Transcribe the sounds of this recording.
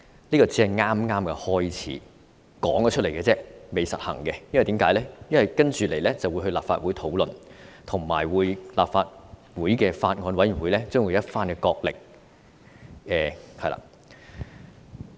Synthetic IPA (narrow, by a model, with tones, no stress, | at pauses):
liː˥kɔː˧t͡sɛ˥˧ŋaː˥mŋaː˥mkɛ˧hɔː˥jt͡sʰḭː˨˥ | kɔ̰ː˨˥ŋkɔ˧t͡ʃʰɵ˥t̚le˨˩jkɛː˧t͡sɛː˥me˨˩jsɐ˨t̚hɐ̰˨˩ŋkɛ˧jɐ˥nwjt̪i˨˥mkaː˨˥jlɛː˥jɐ˥nwɐ˨jkɐ˥nt͡ʃyː˨le˨˩jlɛ˥t͡sɐ˨wjhɵ˧laː˨˩pfa̰ː˧t̚wuː˨˥jt̪ʰo˨˥wlɵ˨nt̪ʰʊ˨˩ŋma̰ː˨˩jwuː˨˧jlaː˨pfaː˧t̚wuː˨˥jkɛː˧faː˧t̚ŋɔː˧nwɐ˨˥ji˨˩nwu˨˥jlɛː˥t͡sœː˥ŋwu˨˧jɐ˥t̚faː˥nkɛ˧kɔː˧k̚lɪ̰˨k̚ | ɛː˨hɐ˨jla̰ː˧˥